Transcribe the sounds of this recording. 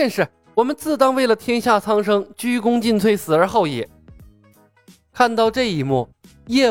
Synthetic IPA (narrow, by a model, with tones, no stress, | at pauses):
ɛ˥˧nʂɻ̩˥˩ | wɔ˨˩mə˦nt͡sɹ̩˥˩t̪ɑ˥ŋwe˥˩ɪlə˩t̪ʰjɛ˥nɕja˥˩t͡sʰɑ˥ŋʂɤ˥ŋt͡ɕy˥kʊ˥ŋt͡ɕi˥˧nt͡sʰwe˥˩ɪsɹ̩˨˩ə˞˧˥xɑ˥˩ʊjɛ˨˩˦ | kʰa˥˧nt̪ɑ˥˧ʊʈ͡ʂɤ˥˩i˧˥˩mu˥˩ | jɛ˥˧